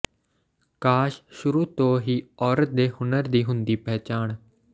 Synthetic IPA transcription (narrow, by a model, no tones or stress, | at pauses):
kaːʃʃʊɾuːt̪õːɦiːɔːɾət̪̚d̪eːhʊnəɾd̪iːɦʊnd̪iːpɛːt͡ʃaːɳ